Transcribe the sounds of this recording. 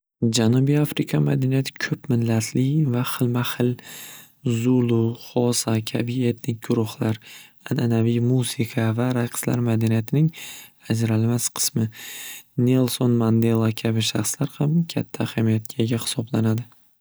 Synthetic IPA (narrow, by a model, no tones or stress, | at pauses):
d͡ʒanubijafɾɪkʰama̰d̪anijat̪ʰɪ̥kʲʰɵpmɪnːat̪ʰlɪvaχɪlmahɪl | zʊlˠʊχɒsakʲʰabie̞t̪nɪk̚ʲɡʊɾʊχlaɾ | anʔanavijmusɪqʰavaɾajqʰɨ̥sla̰ɾmad̪anijat̪ʰɪnɪŋad͡ʒɾalmasqʰɨ̥smɪ | ne̞lˠsonmand̪e̞lˠːakʲʰabɪʃaχslaɾhamkʲʰat̪ʰːahamijat̪̚ɡʲʰaɡʲahɪ̥sɒblanad̪ɪ